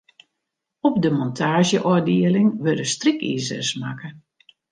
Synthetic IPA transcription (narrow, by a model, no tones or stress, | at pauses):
ɔp̚dəmɔntʰaːʒjəʔɔdiəlɪŋʋødəstrikḭːzə̰sma̰kə